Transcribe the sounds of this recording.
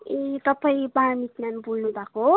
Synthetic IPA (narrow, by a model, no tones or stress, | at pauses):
ekapʰəjbaɾmit̪nanbulnubako